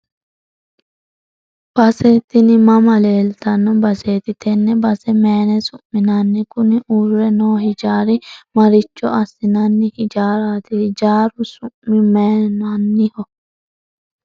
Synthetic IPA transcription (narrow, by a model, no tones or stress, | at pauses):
b̥ɐseːt̪ːɪnɪmɐmɐle̞ːlt̪ɐnːɔbɐseːt̪ɪt̪ɛnːɛbɐsɛmeːnɛsʊmmːɪnɐnːɪkʊnɪʔurːɛnoːhɪd͡ʒaːɾɪmɐɾɪt͡ʃːɔɐsːɪnɐnːɪhɪd͡ʒaːɾaːt̪ɪd͡ʒaːɾʊsʊmmːɪmeːnɐnːɪhɔ